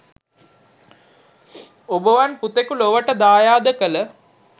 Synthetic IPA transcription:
obəʋanput̪ekuloʋəʈəd̪aːjaːd̪əkələ

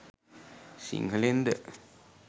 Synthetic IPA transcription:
sḭŋkəlend̪ə

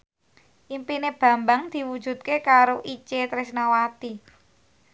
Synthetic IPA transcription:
ʔimpineb̥ä̤mbaŋd̪̥i̤wud̥d͡ʒ̥ṳt̪̚kekaɾoʔit͡ʃet̪ɾɪsnawat̪i

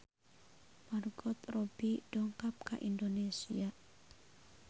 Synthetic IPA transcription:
marɡɔt̪robiɖ̥ɔŋkap̚ka̰ʔind̪onesia

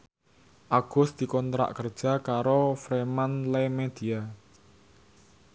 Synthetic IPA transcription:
ʔaɡ̥ʊ̤sd̪̥i̤kɔnt̪ɾa̰ʔkərd̥ʒ̥a̤kaɾofɾemanlemed̪̥ia

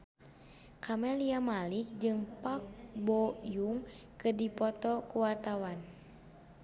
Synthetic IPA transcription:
kʰamɛliamalik̚d͡ʒɨŋpak̚bɔjuŋkɨrdipɔt̪ɔkuwart̪awan

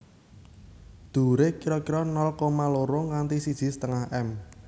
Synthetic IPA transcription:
d̪̥ṳɾekiɾɔkiɾɔnɔlkomaloɾʊŋant̪isid̥ʒ̥i̤st̪əŋahʔɛm

